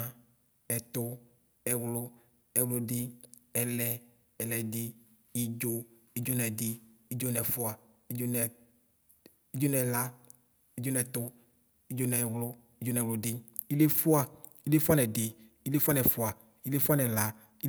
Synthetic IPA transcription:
a˦ | ɛ˨t̪ʊ˦ | ɛ˨wlʊ˦ | ɛ˨wlʊ˧dɪ˦ɛ˨lɛ˦ | ɛ˨lɛ˨dɪ˦ | ɪ˦d͡ʒo˦ | i˦d͡ʒo˦nɛ˨dɪ˦i˦d͡ʒo˦nɛ˨fʊ˦a˨ | i˦d͡ʒo˦nɛ˨ | i˦d͡ʒo˦nɛ˨la˦ | i˦d͡ʒo˦nɛ˨t̪ʊ˦ | i˦d͡ʒo˦nɛ˨wlʊ˦ | ɪ˦d͡ʒo˦nɛ˨wlʊ˨dɪ˦ | i˦le˦fʊ˦a˨ | i˦le˦fʊ˦a˦nɛ˨dɪ˨ | i˦le˦fa˦nɛ˨fʊ˦a˨ | i˦le˦fʊ˦a˦nɛ˨la˨ | i˦

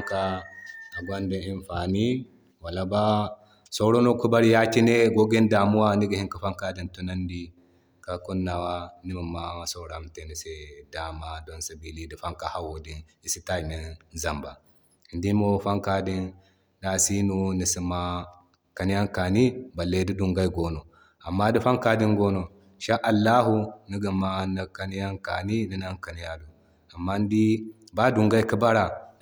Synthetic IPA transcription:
ŋka˦a˨ɡa˦ndi˦˨i˦nfa˨ni˦ | wa˨la˦ba˦ | so˦ɾo˦no˦ku˦ba˦ɾi˦ja˦t͡ʃi˦ne˦ɡo˦ɡe˦nda˨mu˦wa˦ni˦ɡa˨hi˦ŋka˨fa˦ŋka˦di˨ntu˦na˦ndi˦ | ka˨ku˦nːa˨wa˦ni˦ma˨ma˦˨so˦ɾa˨mte˨ni˨se˦da˨ma˨do˦nsa˨bi˦li˦di˨fa˦ŋka˨ha˦wo˨di˦n | i˨si˦ta˦i˨me˨nza˨mba˨ | ndi˦mo˦fa˦ŋka˨di˦n | da˨si˦nu˦ni˨si˦ma˦ | ka˨ni˦ja˦ŋka˨ni˦ba˨lːe˦di˦du˨ŋɡa˦i˦ɡo˦no˨ | a˨mːa˦di˦fa˦ŋka˦di˦ŋɡo˦no˨ | ʃa˦ʔa˨lːa˦ɦu˦ni˦ɡi˨ma˦na˨ka˦ni˦ja˦ŋka˨ni˦ni˦na˦ŋka˨ni˦ja˦du˨ | a˨mːa˦n˦di˦ba˦du˨ŋɡa˦i˦ki˦ba˦ɾa˨

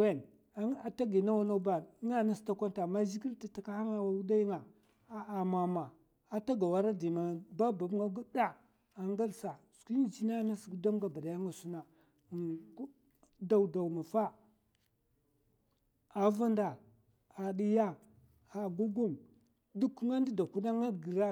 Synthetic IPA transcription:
e˦˨n˦ | a˨ta˦ɡi˨na˦wa˦na˦ba˨n˦ŋa˦na˦sta˦kʷa˦nta˨ma˦zi˦ɡi˦lta˨ta˨ka˦ha˦ŋa˦wa˨˦da˦ji˦ŋa˨˦ | a˨ma˨ma˨ | a˨ta˦ɡa˨wa˦ɾa˦di˨ma˨ba˦ba˨bŋa˦ɡu˦da˦ | a˨ŋɡa˦lsa˨skʷi˦n˦˨t͡ʃi˦na˦na˦sda˦mɡa˨ba˨da˨ja˦ŋa˨su˦na˨˦ | da˨wda˨wma˨fa˦ | a˨va˦nda˨ | a˨ɗi˦ja˦ | a˨ɡu˦ɡu˦m | du˦kŋa˦ndi˦da˨ku˦da˦ŋa˦˨ɡi˨ɾa˦

